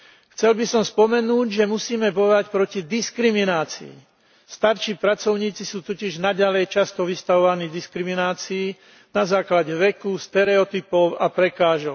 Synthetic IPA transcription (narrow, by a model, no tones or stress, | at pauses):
xt͡sɛlbisɔmspɔmɛnuːɟʒɛmusiːmɛbɔjɔʋacpɾɔcid̪iskɾiminaːt͡sḭḭ | st̪aɾʃiːpɾat͡sɔʊɲiːt͡sisuːt̪ɔciʒnaɟalɛjt͡ʃast̪ɔʋist̪aʋɔʋaniːd̪iskɾiminaːt͡siː | nazaːklaɟɛʋɛkust̪ɛɾɛɔt̪ipɔʊapɾɛkaːʒɔʊ